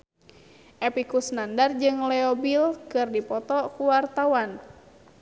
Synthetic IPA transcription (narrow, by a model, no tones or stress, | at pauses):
ʔɛpikusnandard͡ʒɨŋlɛɔbilkɨrdipɔt̪ɔkuwart̪awan